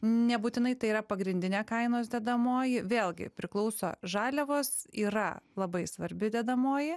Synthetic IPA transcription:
nʲɛbuːt̪ʲɪnɐɪt̪ɐɪiːɾɐpɐɡɾʲɪnʲd̪ʲɪnʲeːkɐɪnoːsd̪ʲɛd̪ɐmoːjɪʋʲeːlˠɡʲɪ̰pʲɾʲɪklˠɐʊso̰ːʒɑːlʲɛʋoːsiːɾɐ̰lˠɐbɐɪsʋɐɾʲbʲɪd̪ʲɛd̪ɐmoːjɪ

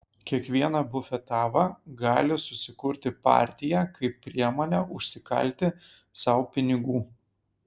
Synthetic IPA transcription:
kʲiɛkʋʲiɛnɐbʊfʲɛt̪ɑːʋɑɡɑːlʲɪsʊsʲɪkʊɾʲt̪ʲɪpɑ̰ːɾʲt̪ʲɪjækɐɪpʲːɾʲiɛmoːnʲæʔʊʃʲsʲɪkɐ̰lʲˑt̪ʲɪ | sɐʊpʲɪnʲɪɡuː

